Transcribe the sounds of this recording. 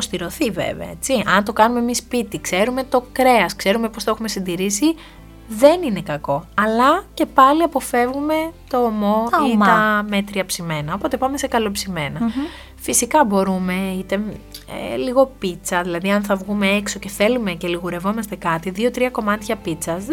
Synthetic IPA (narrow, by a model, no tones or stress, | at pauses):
post̪iɾo̞θivḛveɐ̰et͡siɐnt̪o̞kɐnumemispit̪ikse̞ɾume̞t̪o̞kɾe̞ɐskse̞ɾume̞po̞stɐexume̞sind̪iɾisi | ðe̞nine̞kɐko̞ɐlɐce̞pɐliɐpo̞fe̞vɣume̞t̪o̞ːmo̞iɐme̞t̪ɾiɐpsime̞nɐo̞po̞t̪e̞pɐme̞se̞kɐlo̞psime̞nɐ | fisikɐbo̞ɾume̞it̪e̞ḛliɣo̞pit͡sɐðilɐðiɐnθɐvɣume̞ekso̞ce̞θe̞lume̞ce̞liɣuɾe̞vo̞mɐst̪e̞kɐt̪iðio̞t̪ɾiɐko̞mɐt̪çɐpit͡sɐz